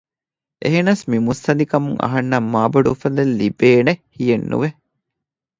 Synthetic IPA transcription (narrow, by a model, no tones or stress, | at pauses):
ʔḛɦenɐsmimust̪ɐnd̪ikɐmuŋɐ̰ɦɐnːɐmːaːbɐɖufɐd̪elːibeːnehijenːṵʋe